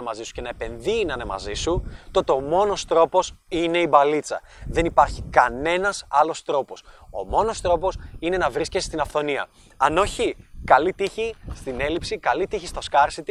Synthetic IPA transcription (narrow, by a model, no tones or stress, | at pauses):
mɐzisu̥ce̞nɐepe̞nðinɐnemɐ̰zisut̪o̞t̪eo̞mo̞no̞st̪ɾo̞po̞sine̞ibɐlit͡sɐ̰ | ðe̞nipɐɾçikɐne̞nɐsɐlo̞st̪ɾo̞po̞so̞̰mo̞no̞st̪ɾo̞po̞sine̞nɐvɾisce̞st̪inɐfθo̞niɐ̰ | ɐno̞çikɐlit̪içist̪ine̞lipsikɐlit̪içist̪o̞skɐɾsit̪